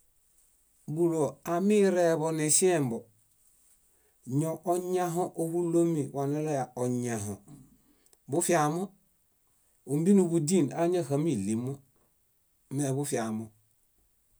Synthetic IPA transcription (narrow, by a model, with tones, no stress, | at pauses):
bu˨ɾo˨a˨mi˦ɾe˦˨βo˨ni˨si˦e˦m˨bo˨ | ɲo˨ʔo˦ɲa˦ɦo˦ʔo˦βu˦lo˦mi˨wa˨ne˦la˦ja˨o˨ɲa˨ɦo̰˨ | bu˦fi˦a˨mo˦ | u˨m˦bi˦nu˨βu˨di˦˨na˦ɲa˦˨ha˨mi˦˨li˨mo˦ | me˨βu˦fi˨a˨mo˨